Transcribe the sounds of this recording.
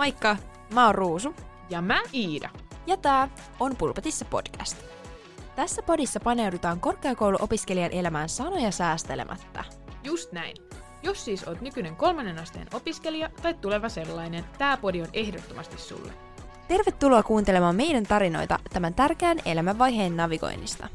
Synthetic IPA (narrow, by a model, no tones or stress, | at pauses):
mɑjkːɑ | mæorruːsu | jɑmæiːdɑ̰jɑt̪æː | o̞npulpɑt̪isːɑpo̞̰d̥kæ̰st̪ | t̪æsːæpo̞disːɑpɑne̞wdut̪ɑːŋko̞rkeɑko̞wluʔo̞piske̞liɑnʔe̞læmæːnsɑno̞jɑsæːst̪elḛmʔæ̰t̪ːɑ̰ | just̪næjn | jo̞sːiːso̞ːt̪nykyne̞ŋko̞lmɑnːe̞nɑst̪ḛːno̞piske̞liɑt̪ɑjt̪t̪ːule̞ʋɑse̞lːɑjne̞nt̪æːpo̞dio̞ne̞hdot̪ːomɑst̪issṵlːḛ | t̪e̞rʋe̞t̪ːuloɑkuːnt̪ele̞mɑːmːe̞jdænt̪ɑɾino̞̰jt̪ɑ̰t̪æmænt̪ærk̟eæːne̞̰læmæʋːɑjɦe̞ːnːɑʋiko̞̰jnːḭst̪ɑ̰